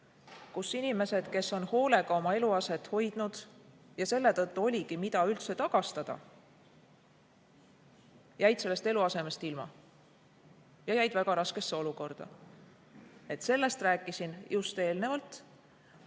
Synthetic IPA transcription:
kusinime̞se̞d̪̥ke̞sːo̞nho̞ːle̞ɡ̥ɑo̞mɑe̞luɑse̞t̪ˑho̞jd̪̥nud̪̥ | jɑse̞lːe̞t̪ɤt̪ːuo̞lʲiɡimit̪ɑylt̪se̞t̪ɑɡ̥ɑst̪ɑd̪̥ɑ̰ | jæjd̪̥se̞lːe̞st̪e̞luɑse̞me̞st̪ilmɑ̰ | jɑjæjd̪̥væɡ̥ɑɾɑske̞sːe̞o̞luko̞rd̪̥ɑ̰ | e̞t̪se̞lːe̞st̪ræːkˑːisinjust̪e̞ːlne̞vɑlt̪ˑ

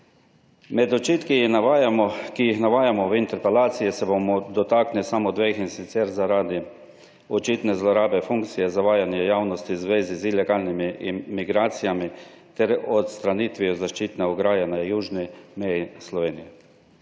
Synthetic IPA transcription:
mɛd̪ɔt͡ʃiːt̪kijixnaʋaːjamɔkijixnaʋaːjamɔʋint̪ɛɾpɛlaːt̪sijɛsɛbomɔd̪ɔt̪aːknisamɔd̪ʋexinsit̪sɛɾzaɾad̪i | ɔt͡ʃit̪nɛzlɔɾaːbɛfuŋkt̪sijɛzaʋaːjanjɛjawnɔst̪izʋeːzizilɛɡalnimimiɡɾaːt̪sijami | t̪ɛɾɔt̪st̪ɾaniːt̪ʋiɔzaʃt͡ʃiːt̪nɛɔɡɾaːjanajuːʒnimɛjislɔʋeːnijɛ

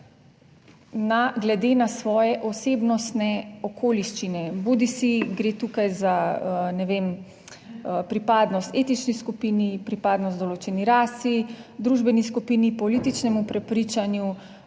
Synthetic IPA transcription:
naɡlɛd̪eːnasʋɔːjɛʔɔseːbnɔst̪nɛɔkʰoːliʃt͡ʃinɛbud̪isiɡɾeːt̪ukajzanɛʋem | pɾipaːd̪nɔst̪et̪it͡ʃniskupiːnipɾipaːd̪nɔst̪d̪ɔloːt͡ʃɛniɾaːsid̪ɾuʒbɛniskupiːnipɔliːt̪it͡ʃnɛmupɾɛpɾiːt͡ʃanju

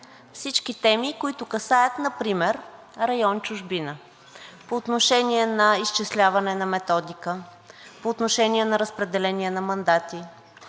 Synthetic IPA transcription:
fsit͡ʃkit̪ɛmikoit̪ʊkɐsajət̪nɐpɾimɛɾ | ɾɐjɔnt͡ʃʊʒbinə | poːt̪noʃɛniɛnɐist͡ʃɛslʲavɐnɛnɐmɛt̪ɔd̪ikə | poːt̪noʃɛniɛnɐɾəspɾɛd̪ɛlɛniɛnɐmɐnd̪at̪i

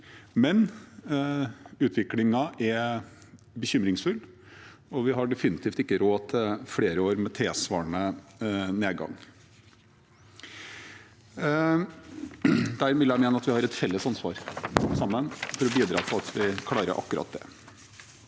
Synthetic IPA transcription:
mɛn | ʉːt̪ʰʋɪklɪŋɑʔɛɾ | bəçʏmɾɪŋsfʉlː | ɔʋɪɦɑɖɛfɪnɪt̪ʰiːft̪ɪkːəɾoːt̪ʰfɽeːɾəoːɾmɛt̪ʰeːsʋɑ̰ːɳə | neːɡɑ̰ŋ | d̪æɾʋɪljæɪmeːnəɑt̪ʋɪhɑɾɛt̪fɛlːəsɑnsʋɑ̰ːɾsɑmːənfɔɾɔbiːd̪ɾɑ̰ːt̪ʰɔɑt̪ʰʋɪkʰlɑːɾə̰ɾʔɑ̰kːʉɾɑ̰t̪̚d̪ɛ̰

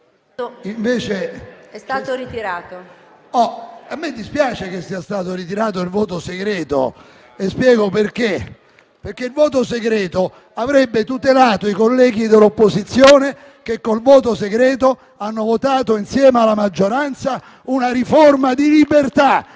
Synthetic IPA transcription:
iɱveːt͡ʃeɛst̪at̪oɾit̪iɾaːt̪o | ɔamːed̪ːispjaːt͡ʃek̟esːiːast̪aːt̪oɾit̪̬iɾaːt̪̬oilvoːt̪oseɡɾɛːt̪o̰ | espjɛːɡoperk̟e | perkːeilvoːt̪oseɡɾɛːt̪o | avɾɛbːet̪ut̪elaːt̪oikolːɛːɡid̪elːopːozit̪sːjoːne | k̟ekːolvoːt̪oseɡɾɛːt̪o | anːovot̪aːt̪oinsjɛːmealːamad͡ʒːoɾant̪sa | unaɾiformad̪ilibert̪a

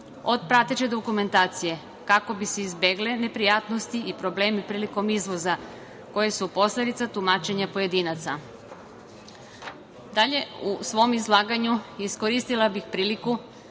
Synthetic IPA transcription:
o̞d̪̚pɾat̪et͡ʃe̞d̪o̞kume̞nt̪aːt̪sije̞ | kako̞biseizbeɡle̞ne̞pɾijaːt̪no̞st̪iipɾo̞ble̞ːmipɾiːliko̞mizʋo̞za | ko̞je̞supo̞slʲe̞d̪it̪sat̪umaːt͡ʃe̞ɲapo̞je̞d̪iːnat̪sa | d̪aʎe̞usʋo̞mizlˠaːɡaɲuisko̞ɾiːst̪ilabixpɾiːliku

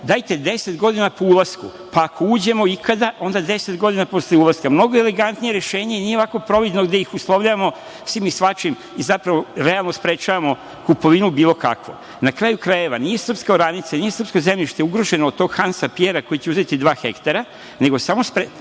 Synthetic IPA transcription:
d̪aːjt̪e̞d̪e̞set̪ɡo̞d̪inapoulˠasku | paːko̞uːd͡ʑe̞moikʰad̪aʔo̞nd̪ad̪e̞set̪ɡo̞d̪inapo̞sleulˠaskamno̞ɡoele̞ɡant̪nijeɾeʃe̞ːɲenijeako̞pɾo̞ʋid̪noɡd̪eixuslˠoʋʎaʋamo̞ | sʋimisʋat͡ʃim | izapɾaʋoɾe̞alˠnospɾet͡ʃaʋamo̞ | kupo̞ʋinubiːlˠo̞ka̰kʋo̰ | nakɾaːjukɾaje̞ʋanije̞sr̩pskoɾanit̪sanije̞sr̩pskozemʎiʃt̪euɡɾo̞ʒe̞nood̪t̪o̞ɡ̥xansapjeɾako̞jit͡ɕeuze̞t̪id̪ʋaːxe̞kt̪aɾa | ne̞ɡosamo̞spɾe

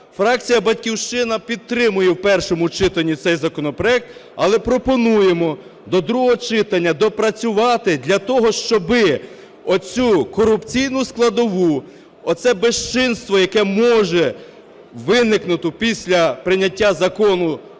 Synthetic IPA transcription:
fɾɑk̚t͡sʲijɐbɐtʲkʲiwʃt͡ʃɪnɐpʲid̪̚t̪ɾɪmʊjɛwpɛrʃɔmʊt͡ʃɪt̪ɐnʲːit̪sɛjzɐkɔnɔpɾɔɛk̚t̪ɐlˠɛpɾɔpɔnujemɔ | d̪ɔd̪ɾuɦɔɦɔt͡ʃɪt̪ɐnʲːɐd̪ɔpɾɐt͡sʲʊʋɑt̪ɪd̪lʲɐt̪ɔɦɔʃt͡ʃɔbɪ | ɔt͡sʲukɔɾʊpt͡sʲijnʊsklˠɐd̪ɔʋu | ɔt̪sɛbeʃt͡ʃɪnst̪ʋɔjɐkɛmɔʒɛ | ʋɪnɪknʊt̪ʊpʲisʲlʲɐpɾɪnʲɐtʲːazɐkɔnʊ

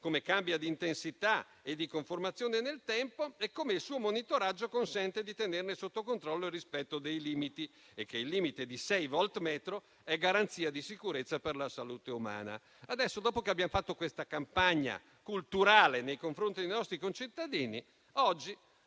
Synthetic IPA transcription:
komekambjad̪iːnt̪ensit̪a | ed̪ːikoɱformat̪sːjoːnenelt̪ɛmpoekːomeilsuːomonit̪oɾad͡ʒːokonsɛnt̪ed̪it̪enernesot̪ːokont̪ɾɔlːoirispɛt̪ːod̪ejliːmit̪i | ekːeilːiːmit̪ed̪isɛjvɔlt̪mɛːt̪ɾo | ɛɡaɾant̪siːad̪isikuɾet̪sːaperlasaluːt̪euma̰ːna̰ | ad̪ɛsːod̪ɔːpokeabːjamofat̪ːokwest̪akampaɲːa̰ | kult̪uɾaːlenejkoɱfɾont̪id̪ejnɔst̪ɾikont͡ʃit̪ːad̪iːni | ɔd͡ʒːi

